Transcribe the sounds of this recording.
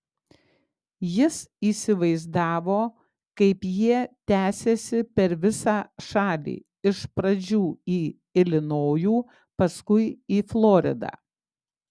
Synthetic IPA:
jɪsiːsʲɪʋɐɪzd̪ɑːʋoː | kɐɪpjiɛt̪ʲæːsʲeːsʲɪpʲɛɾʋʲɪsɑːʃɑːlʲḭː | ɪʃpɾɐd͡ʒʲuːiː | ɪlʲɪnoːjuː | pɐskʊɪiːflˠoːɾʲɪ̰d̪ɑ̰ː

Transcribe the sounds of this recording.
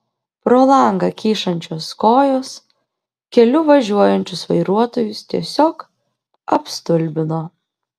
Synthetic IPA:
pɾoːlˠɐˑŋɡɐkʲiːʃɐnʲt͡ʃʲoːskoːjoːs | kʲɛlʲʊʋɐʒʲuɔjɛnʲt͡ʃʲʊsʋɐɪɾuɔt̪oːjʊst̪ʲiɛsʲoːk | ɐpst̪ʊlʲbʲɪnoː

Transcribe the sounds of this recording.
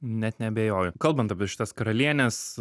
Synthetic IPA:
nʲɛt̪nʲɛɐbʲeːjoːjʊkɐlˠbɐnt̪ɐpʲɪɛʃʲɪ̥t̪ɐskɐɾɐlʲiɛnʲɛs

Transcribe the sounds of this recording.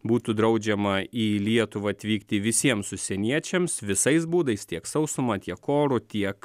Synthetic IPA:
buːt̪ud̪ɾɐʊd͡ʒʲɛmɐiːlʲiɛt̪ʊʋɐɐt̪ʲʋʲiːkt̪ʲɪʋʲɪsʲiɛmsʊsʲɛnʲiɛt͡ʃʲɛmsʋʲɪsɐɪsbuːd̪ɐɪst̪ʲiɛksɐʊsʊmɐt̪ʲiɛkoːɾʊt̪ʲiɛk

